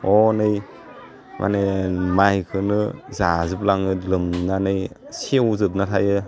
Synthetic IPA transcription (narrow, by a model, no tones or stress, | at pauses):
ɔnɯj | mʔa̰nemajkʰɯnɯzazɯp̚laŋɯlɯmnanɯjsiwzɯp̬̚natʰajɯ